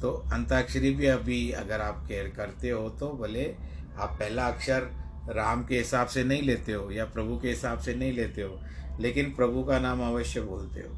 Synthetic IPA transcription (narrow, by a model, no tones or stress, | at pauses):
t̪oɐ̃nt̪akʃɾibʱiɐbʱiɐ̰ɡəɾaːp̚keːɾkɐɾt̪eɦot̪obʱɐle | aːpːɛɦlaɐkʃəɾː | aːmkeɦɪsaːbsenɐɦĩleːt̪eɦoːjapɾɐbʱukeɦɪsaːbsenɐɦĩleːt̪eɦoː | leːkɪnpɾɐbʱukanaːmɐʋəʃjəboːlt̪ḛɦo̰ː